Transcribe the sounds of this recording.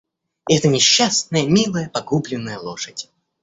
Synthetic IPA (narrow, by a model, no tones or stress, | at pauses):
ɛt̪ənʲɪɕːasnəjəmʲilˠəjəpɐɡublʲɪnːəjəlˠoʂədʲ